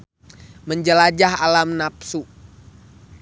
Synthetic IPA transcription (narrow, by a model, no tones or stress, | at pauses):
məɲd͡ʒəlad͡ʒaɦalamnapsu